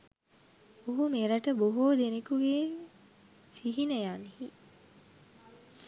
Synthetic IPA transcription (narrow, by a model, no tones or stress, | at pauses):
oɦumeɾɐʈəboɦoːd̪enekuɡe | siɦinɐjaːnihi